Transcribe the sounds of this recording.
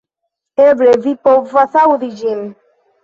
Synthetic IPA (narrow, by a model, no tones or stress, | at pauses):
ebɾevipovɔsawudid͡ʒim̩